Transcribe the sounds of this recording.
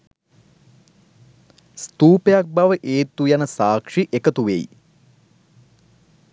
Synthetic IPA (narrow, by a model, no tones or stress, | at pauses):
st̪uːpejak̚baʋəʔeːt̪ːujanəsaːkʂiʔekət̪uʋḛj